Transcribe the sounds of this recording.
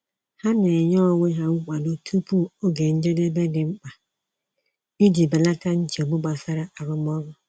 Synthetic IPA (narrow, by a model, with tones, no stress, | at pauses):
ha˦ne˨ɲɔ˦˨ŋʷe˦ɦa˦ŋ͡m̩˦k͡pa˨no˦tʰu˦pu˦o˦ɡe˨n̩˦d͡ʒe˦de˦be˦dɪ˨ŋ͡m̩˦k͡pa˨ | i˦d͡ʒi˨be˨la˦ka˦n̩˦t͡ʃe˨o˨ɡ͡bʊ˦ɡ͡ba˨sa˦ɾa˦ʔa˨ɾʊ˦m˦ɔ˦ɣʊ˦